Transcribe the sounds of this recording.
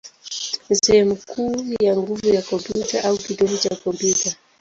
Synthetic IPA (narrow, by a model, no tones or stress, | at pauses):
nisɛhɛmukʰuːjaŋɡuvujakɔdut͡ʃaʔaukiɗɔhɔt͡ʃakɔmpjuta